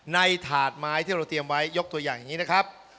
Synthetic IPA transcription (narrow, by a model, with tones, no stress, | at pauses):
na˧jt̪ʰaː˨˩t̪̚maː˦˥jt̪ʰiː˥˩ɾa˧wt̪ɾi˧əmwa˦˥jːo˦˥k̚t̪u˧əjaː˨˩ŋja˨˩ŋiː˦˥na˦˥kʰɾa˦˥p̚